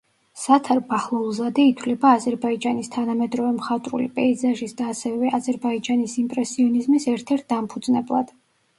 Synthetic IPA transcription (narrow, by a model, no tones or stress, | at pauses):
sat̪ʰaɾbaχlˠulˠzad̪ɛit̪ʰwlɛbaːzɛɾbaid͡ʒanist̪ʰanamɛd̪ɾɔvɛmχat̪ʼɾṵlipʼɛizaʒisd̪aːsɛvɛʔazɛɾbaid͡ʒanisimpʼɾɛsiɔnizmisɛɾt̪ʰɛɾt̪̚ʰd̪ampʰud̪znɛblˠa̰d̪̥